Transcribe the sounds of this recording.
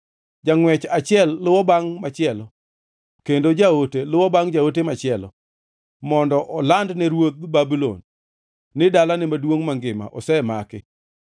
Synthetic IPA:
d͡ʒaŋwɛt͡ʃat͡ʃɪɛlːʊwɔbaŋmat͡ʃɪɛlɔ | kendod͡ʒaotelʊwɔbaŋd͡ʒaot̬emat͡ʃɪɛlɔ̰ | mɔndɔʔɔlandnɛɾwot̪̚babilo̰nː | ɪdalanɪmadwoŋmaŋɡɪma̰ʔɔ̰sɛmakɪ

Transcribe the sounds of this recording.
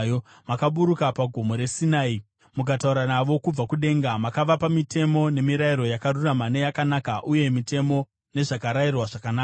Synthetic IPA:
makaɓuɾukapaɡʱo̞mo̞ɾe̞sinaːi | muk̬atauɾanaʋo̞kub͡vakuɗe̞ːŋɡamakaʋapamite̞mo̞ne̞miɾaiɾo̞jakaruramane̞jakanakaʔuje̞mite̞mo̞ | ne̞ʐakaɾairwaʐakanaːk

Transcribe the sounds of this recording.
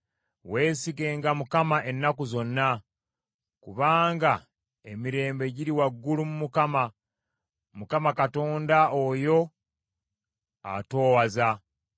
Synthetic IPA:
we̞ːsiɡe̞ːŋɡamukamaʔe̞nːakuzo̞nːa | kuβaːŋɡa | emiɾe̞ːmbe̞ɟiɾiwaɡːulumumukama | mukamakato̞ːndaojo̞ | a̰to̞ːwaza

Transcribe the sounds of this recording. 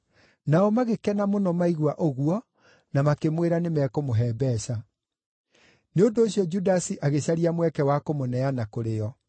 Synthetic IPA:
naɔmaɣekɛnamonɔmaiɣwaʔoɣuɔ | namakemweɾanemɛkomoɦɛːbɛɕa | neondoːɕjɔd͡ʒudasiʔaɣeɕaɾiamwɛkɛwakomonɛanakoɾeɔ

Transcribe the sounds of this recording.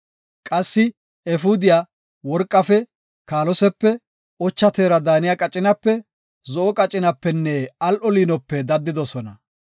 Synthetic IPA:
kʼɐsːɪ | ɛfud̪ɪjaː | wɔɾkʼːɐfɛ | kaːlɔsɛpːɛ | ɔt͡ʃːɐt̪eːɾɐd̪aːnɪjakʼɐt͡ʃʼɪnɐpːɛ | zɔʔɔkʼɐt͡ʃʼːɪnɐpːɛnːɛɐlʔɔliːnɔpːɛd̪ɐd̪ːɪd̪ɔsɔnɐ

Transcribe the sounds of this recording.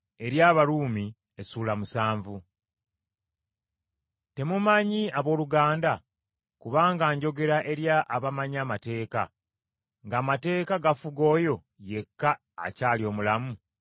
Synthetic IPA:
e̞ɾjaːβaɾuːmi | esuːlamusaːɱvu | te̞mumaɲiaβo̞ːluɡaːnda | kuβaːŋɡaːɲɟo̞ɡe̞ɾaʔe̞ɾjaʔːβamaɲaːmate̞ːka̰ | ŋɡaːmate̞ːkaɡafuɡo̞ːjo̞ | je̞kːa̰ː | caːlio̞ːmulamu

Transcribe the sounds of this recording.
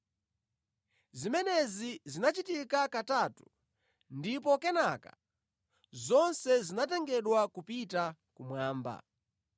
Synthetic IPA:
zimɛnɛzizinat͡ʃitikakatatu̥ | ndipɔkɛnaka | zɔnsɛzinatɛŋɡɛɗwakupitakumwaːmba̰

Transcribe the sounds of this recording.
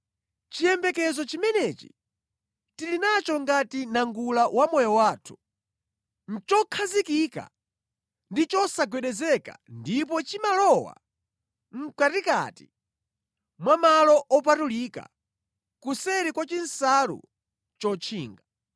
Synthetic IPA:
t͡ʃijɛmbɛkɛzɔt͡ʃimɛnɛt͡ʃi̥̰ | tilinat͡ʃɔŋɡatinaŋɡulawʔamɔjɔwaːtʰu̥ | n̩t͡ʃɔkʰazikika̰ | ndit͡ʃɔsaɡwɛɗɛzɛka̰ndip̬ɔt͡ʃimalɔwa̰ | ŋ̩katika̰ti̥ | mwamalɔʔɔp̬atulika̰ | kusɛɾikwat͡ʃin̩saɾṵ | t͡ʃɔt͡ʃʰiːŋɡa

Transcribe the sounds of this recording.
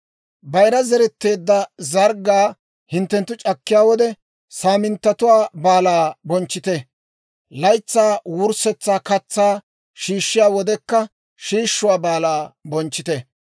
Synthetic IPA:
bɐjɾɐzɛɾɛt̪ːe̞ːd̪ːɐzɐɾɡaː | hɪnt̪ːɛnt̪ːʊt͡ʃʼɐkːɪjaːwɔd̪ɛ | saːmɪnt̪ːɐt̪ʊwaːbaːlaːbɔnt͡ʃːɪt̪ɛ | lɐjt͡sːaːwʊɾsɛt͡sːaːkɐt͡sːaː | ʃiːʃːɪjaːwɔd̪ɛkːɐ | ʃiːʃːʊwaːbaːlaːbɔnt͡ʃːɪt̪ɛ

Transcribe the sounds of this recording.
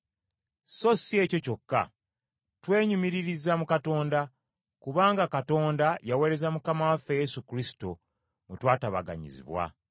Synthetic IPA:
so̞sie̞ːco̞co̞kːa̰ | twe̞ːɲumiɾiɾizamukato̞ːnda | kuβaːŋɡakato̞ːndajawe̞ːɾe̞zamukamawafeje̞sukɾisi̥to̞ | mutwaːtaβa̰ɡa̰ɲḭzḭβwa̰

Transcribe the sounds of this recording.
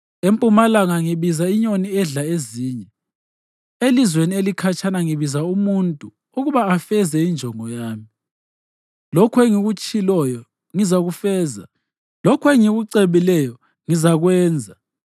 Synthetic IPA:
empʼumalaŋaŋiβizaiɲoniɛɮaeziːɲɛ | elizwenielikʰat͡ʃʼʰanaŋiβizaumuntʼu | uɣuβaːfɛzɛind͡ʒʱɔŋɔjaːmi | lɔkʰweŋiɣut͡ʃʼilɔjɔ | ŋizaɣufɛːza̰ | lɔkʰweŋiɣuǀeβilɛjɔ | ŋizaɣwɛːnd͡zʱa

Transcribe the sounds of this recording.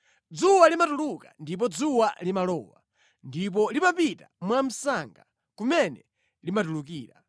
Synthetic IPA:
d͡zuwalimatuluka̰ndip̬ɔd͡zuwalimalɔ̰ːwa̰ | ndip̬ɔlimapitamwam̩saŋɡa | kumɛnɛ | limat̬ulukiːɾa

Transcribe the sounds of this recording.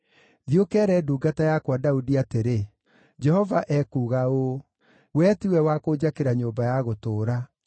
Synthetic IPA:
ðiokɛɾɛduːɡatajakwadaudiateɾe | d͡ʒɛhɔvaʔɛkuːɣao | wɛtiwɛwakoːd͡ʑakeɾaɲoːmbajaɣotoːɾa

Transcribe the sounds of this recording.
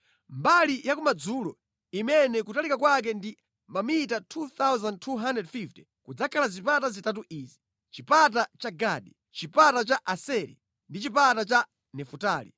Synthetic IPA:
mbalijakumad͡zulɔ | imɛnɛkutalikakwak̬ɛndi | mbamitatʰuθawzand̚tʰuɦandɛdfiftɛ̥ | kud͡zakʰalazipatazitatuʔizi̥ | t͡ʃipat̬at͡ʃaɡaːɗi | t͡ʃipatat͡ʃaʔasɛɾḭ | ndit͡ʃipatat͡ʃa | nɛfutaːlḭ

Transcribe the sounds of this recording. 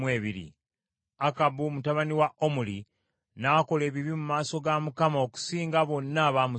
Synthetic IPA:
weːβiɾḭ | akabumutaβaniwaʔomuli | nako̞le̞ːβiβimumaːso̞ɡamukamaoku̥siːŋɡaβo̞nːaβamu

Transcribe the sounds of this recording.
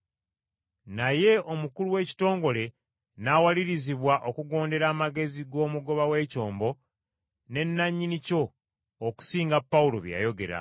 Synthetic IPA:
naje̞o̞mukuluwe̞ːci̥to̞ːŋɡo̞le̞ | nawaliɾiziβwaʔo̞kuɡo̞ːnde̞ɾaːmaɡe̞ziɡo̞ːmuɡo̞βawe̞ːco̞ːmbo̞ | ne̞nːaɲːinico̞ː | ku̥siːŋɡapːawulo̞̰βja̰jo̞ɡe̞̰ɾa̰

